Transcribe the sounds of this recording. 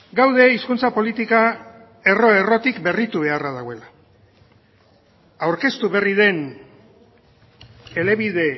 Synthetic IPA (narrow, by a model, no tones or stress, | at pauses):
ɡawðe̞iskunt͡sapo̞lit̪ika | e̞ro̞e̞ro̞t̪ikbe̞rit̪uβe̞arað̞aɣoe̞la | awɾke̞st̪uβe̞riðe̞n | e̞le̞βiðe̞